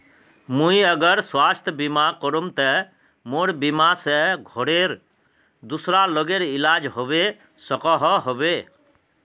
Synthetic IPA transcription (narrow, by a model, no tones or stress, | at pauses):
mũiəɡəɾswast̪ʰbimakɔɾumt̪ɛ | moɾbimasɛɡʱoɽeɾ | d̪usɾaloɡeɾilad͡ʒɦobe | səkɔɦɔɦobe